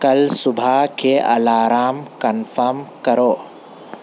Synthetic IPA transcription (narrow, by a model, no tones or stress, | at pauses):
kɐlsubʱakʰeʔɐ̰laːɾaːmkɐnfʰɐɾmkɐɾoː